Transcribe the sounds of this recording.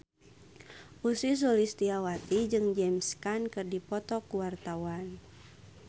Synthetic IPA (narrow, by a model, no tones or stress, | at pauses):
ʔusis̬ɔlist̪iawat̪id͡ʒɨŋd͡ʒɛmskankɨrdipɔt̪ɔkuwart̪awan